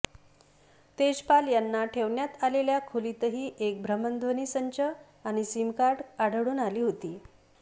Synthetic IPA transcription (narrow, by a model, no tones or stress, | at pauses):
t̪ed͡ʑpaljanːaʈʰeʋɳjat̪aleljakʰolit̪əɦiːʔek̚bʱɾəmənd̪ʱʋəniːsəɲt͡ɕə | aɽ̃isimkaʈaɽəɽuːnaliːɦot̪iː